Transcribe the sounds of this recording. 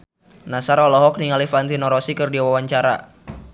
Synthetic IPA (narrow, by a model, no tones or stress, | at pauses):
nasaɾɔlɔɦɔk̚niŋalifant̪inɔɾɔsikɨrdiawawaɲt͡ʃaɾa̰